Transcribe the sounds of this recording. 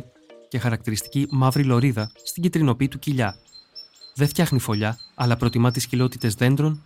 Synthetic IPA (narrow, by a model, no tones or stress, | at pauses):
ce̞xɐɾɐk̚t̪iɾist̪i̥cimɐvɾilo̞ɾiðɐst̪iɟit̪ɾino̞piːt̪uciʎɐ | ðeft̪çɐxnifo̞ʎɐɐlɐpɾo̞t̪imɐt̪iscilo̞t̪it̪e̞zðe̞nd̪ɾo̞n